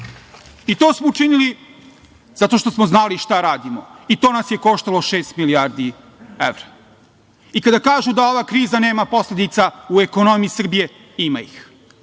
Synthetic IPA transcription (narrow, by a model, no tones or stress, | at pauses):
it̪o̞ːsmout͡ʃinili | zat̪o̞ʃt̪osmoznaliʃt̪aɾaːd̪imoit̪o̞ːnasje̞ko̞ʃt̪alo̞ʃeːst̪miliaɾd̪i | ḛʋɾa | ikad̪akaːʒud̪ao̞ʋaːkɾiːzane̞ːmapo̞slʲed̪it̪saueko̞no̞mijisr̩bije̞ | ima̰ḭx